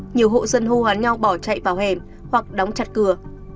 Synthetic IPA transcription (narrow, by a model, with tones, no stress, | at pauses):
ɲi˨˩əwɦo̰˧˨zə˧nɦu˧haː˨˦nɲa˧wɓɔ˧˩t͡ɕa̰˧˨jvaː˧˩whe˧˩m | hwa˨˩k̚ɗɔ˨˦wŋ͡mt͡ɕa˨˩t̚kɨ˧˩ə